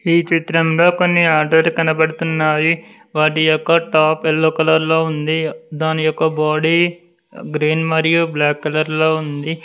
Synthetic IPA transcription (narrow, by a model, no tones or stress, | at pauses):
iːt͡ʃit̪ɾɐmlo̞ːko̞nːiaːɾɖɐɾkɐnɐbɐɽut̪unːaːji | ʋaːʈ̬ijɔkːɐʈaːpelːokɐlɐɾloːund̪id̪aːnijɔkːɐbaːɽi | ɡɾiːnmɐɾijublaːkːɐlɐɾlo̞ːund̪i